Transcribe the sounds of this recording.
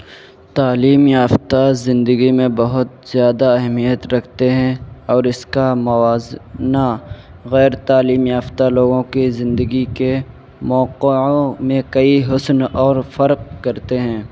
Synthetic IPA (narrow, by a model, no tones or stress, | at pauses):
t̪aːliːmjaːft̪azɪ̃nd̪əɡimẽbɐɦʊt̪z̥jaːd̪aɐɦmijət̪ɾɐkʰt̪eɦɛ̃ɔːɾɪskamɐʋaːzna | ɣɛːɾt̪aːliːmjaːft̪aloːɡõkizɪ̃nd̪əɡike | mɔːqõmẽkɐiɦʊsnɔːɾfɐɾq̚kɐɾt̪eɦɛ̃ː